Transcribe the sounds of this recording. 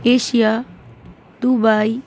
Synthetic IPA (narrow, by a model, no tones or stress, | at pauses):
eːʃija | d̪ubai